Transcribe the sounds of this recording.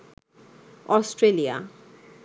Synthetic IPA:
ɔsʈɾelija̰

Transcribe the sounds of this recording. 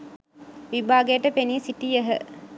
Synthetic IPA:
ʋibʱaːɡejəʈəpeniəsiʈijəɦə̰

